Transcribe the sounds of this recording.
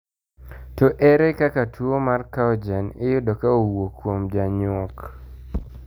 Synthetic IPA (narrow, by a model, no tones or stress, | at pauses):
tɔʔɛɾɛkakatwomarkaɔd͡ʒanɪjʊdɔkaowokwomd͡ʒaɲʊɔk